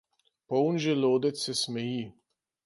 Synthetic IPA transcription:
pɔwnʒɛloːd̪ɛt̪sːɛsmɛjiː

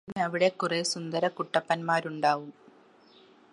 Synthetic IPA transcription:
ɐʋiɽe̞kːuresund̪ɐɾɐkuʈːɐpːɐnmaːɾuɳɖaːʋum

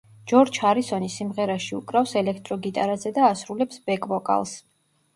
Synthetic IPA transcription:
d͡ʒɔɾt͡ʃʰaɾisɔnisimʁɛɾaʃiukʼɾafsɛlɛkʰt̪ʼɾɔɡit̪ʼaɾazɛd̪aːsɾulɛpsb̥ɛkʼvɔkʼa̰lˠs

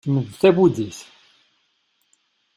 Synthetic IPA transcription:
məðθæbud̪iθ

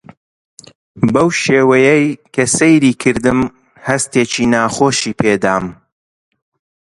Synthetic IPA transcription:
bɐwʃeːwɐjɛjkʰɐsejɾiːkʰɨɾd̪ɨm | hɐst̪eːt͡ʃiːnaːxoːʃiːpʰeːd̪aːm

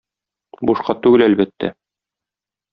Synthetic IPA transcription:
buʃqɑt̪ʉɡɘlælbæt̪ːæ̰

